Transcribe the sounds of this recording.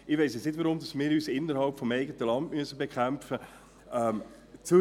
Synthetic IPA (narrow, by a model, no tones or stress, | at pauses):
ɪʋeɪsɛt͡snɪtʋɔɾʊmdɑsmɪːɾyːsɪnːəɾhɑlpfɔmɛɪɡətəlɑndmyəsəbekχæmfə | ɛm | t͡su